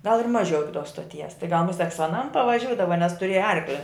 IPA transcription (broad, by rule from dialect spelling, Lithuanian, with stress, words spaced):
ɡɐlˠ ɪr ˈmɑːˌʒʲɛʊ ˈɪkʲɪ toːs stoːˈtʲiɛs tɐɪ ɡɐlˠ mʊˈsʲɛk sʊ ɐˈnɐm pɐʋɐˈʒʲuːdɐʋɐ nʲɛs tʊˈrʲeːjɛ ˈɐrklʲɪ